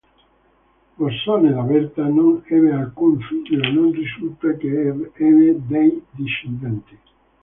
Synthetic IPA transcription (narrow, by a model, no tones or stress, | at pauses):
poɾsɔnelavɛɾt̪anonɛβealkuɱfit̪oenonrisult̪akeɛved̪ejd̪iʃend̪ɛnt̪i